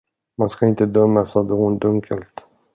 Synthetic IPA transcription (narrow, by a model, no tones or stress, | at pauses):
manskaɪnt̪əd̪œmːasɔd̪ɛhʊnd̪ɵŋkʰəlt̪